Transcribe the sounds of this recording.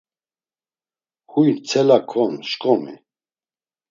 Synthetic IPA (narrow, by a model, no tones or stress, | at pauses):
hujnt͡sʰɛlakʰɔnʃkʼɔmḭ